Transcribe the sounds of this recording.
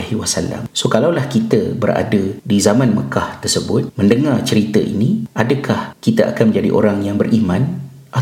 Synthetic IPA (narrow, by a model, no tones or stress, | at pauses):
hiwasala̰msokalawlahkit̪əbərʔa̰dədizamãnmə̰kaht̪ərsəbʊt̪̚mə̃ndəŋart͡ʃəɾit̪əʔḭnĩʔadəkʰahkit̪əʔa̰kanmə̃ɲd͡ʒadḭʔo̰ɾaŋjaŋbərimãn | ʔa